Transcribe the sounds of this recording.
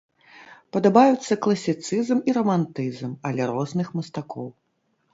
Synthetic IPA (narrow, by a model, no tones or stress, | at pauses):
pɐd̪abajut̪sːɐklˠɐsʲit̪sɨzmiɾɐmant̪ɨzmɐlʲɛɾɔznɨxmɐst̪akɔw